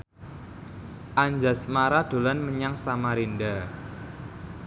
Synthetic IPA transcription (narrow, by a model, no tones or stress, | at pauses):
ʔaɲd͡ʒasmaɾad̪̥o̤lanməɲaŋsamaɾinda